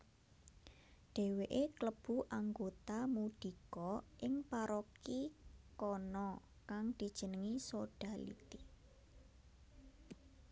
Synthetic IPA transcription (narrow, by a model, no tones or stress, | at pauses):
ɖ̪̥e̤weʔekləb̥ṳʔaŋɡot̪amuɖ̪̥i̤kɔʔɪŋpaɾɔkikɔnɔ | kaŋd̪̥i̤d̥ʒ̥ə̤nəŋisoɖ̥a̤lḭt̪i